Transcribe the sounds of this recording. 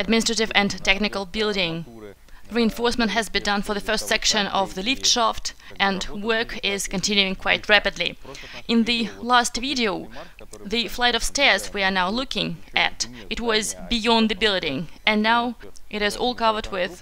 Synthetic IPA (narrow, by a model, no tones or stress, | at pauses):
ɨd̚mɪ̃nɨstɹ̥ɨɾɨvɨ̃ntɛknɨkl̩ˠbɪlˠdɪ̃ŋ | ɹiɨ̃ɱfɔɹsmə̃nt̚ɦɨzbɨ̃ndʌ̃nfə˞ðɨfɜ˞stsɛkʃɨ̃nʌvðɨlɪftʃɑft | ʔɨ̃nwɜ˞kɪz̥kɨ̃ntʰɪ̃njʉɪ̃ŋkʰw̥aɪt̚ʰɹæpɨdˡlḭ | ʔɨ̃nðɨlæstviɾioʊ | ðɨflaɪɾʌv̥stɛɹzwiə˞naʊlʊkɪ̃ŋʔɨt | ɨt̚wʌzbijɑ̃nðɨbɪlˠdɪ̃ŋɨ̃nːaʊʔɨt̚hɨzɔ̰lˠkʌvə˞d̚wɪð̥